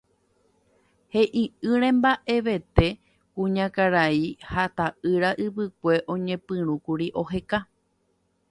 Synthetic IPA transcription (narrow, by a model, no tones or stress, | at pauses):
he̞ʔĩɨɾẽ̞mbaʔe̞ʋe̞t̪e̞ | kũɲãkaɾaihat̪aɨɾaʔɨʋɨk̚ʷe̞ʔõ̞ɲẽ̞pɨ̃ɾ̃ũkuɾiʔo̞ɦe̞ka